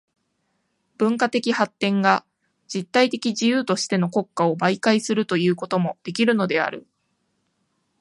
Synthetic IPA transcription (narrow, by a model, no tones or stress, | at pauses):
b̥ɯ̟̃ŋkat̪e̞kʲihat̪ːẽ̞ŋɡa | d͡ʑit̪ːait̪e̞kʲiʑijɯːt̪o̞ɕi̥t̪e̞no̞ko̞kːao̞baikaisɨɾɯ̟t̪o̞jɯ̟ːko̞t̪o̞mo̞d̪̥e̞kʲiɾɯ̟no̞d̪e̞a̰ɾɯ̟̰